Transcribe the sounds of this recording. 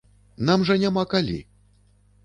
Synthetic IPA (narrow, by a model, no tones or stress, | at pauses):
namʐɐnʲamakalʲḭ